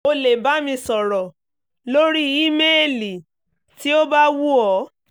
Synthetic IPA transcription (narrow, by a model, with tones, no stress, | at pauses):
o˧le˨ba˨˦mĩ˧sɔ˨ɾɔ˨ | lo˦ɾi˦i˦me˦e˦˨li˨ | ti˦o˦ba˦wu˦ɔ˨˦